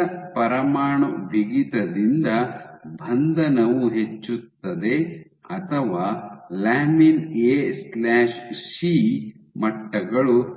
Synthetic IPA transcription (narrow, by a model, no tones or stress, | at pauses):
ɐpɐɾɐmaːɳuʋiɡit̪ɐd̪ind̪ɐbʱɐnd̪ɐnɐʋuɦe̞t͡ʃːut̪ːɐd̪e̞ | ɐt̪ʰɐʋaːlaːmineslaːʃsiː | mɐʈːɐɡɐɭu